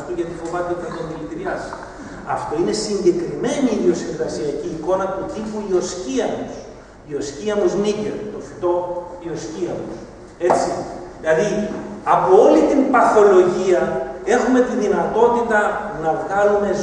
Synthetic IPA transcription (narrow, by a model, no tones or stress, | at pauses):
t̪iʝɐt̪ifo̞vɐt̪eo̞t̪iit̪ɐnðilit̪ɾiɐs | ɐ̰ft̪o̞ine̞siɲɟe̞kɾime̞niːðio̞siɾɣɐsiɐciːko̞nɐt̪ut̪ipuio̞sciɐmos | io̞sciɐmuzniceɾt̪o̞fi̥t̪o̞io̞sciɐmos | e̞t͡siðilɐðiɐpo̞o̞lit̪impɐθo̞lo̞ʝiɐe̞xume̞t̪iðinɐt̪o̞t̪it̪ɐnɐvɣɐlume̞z